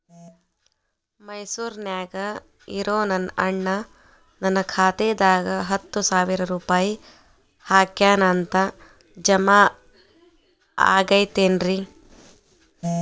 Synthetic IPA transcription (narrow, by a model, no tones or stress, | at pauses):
mɐjsuːɾnjaːɡɐ | iɾoːnɐnʔɐɳːɐ | nɐnːɐkʰaːt̪eːd̪aːɡɐɦɐt̪ːusaːʋiɾɐɾuːpaːji | haːkjaːnaːnt̪ɐ | d͡ʒɐmaː | a̰ːɡɐjt̪eːnɾi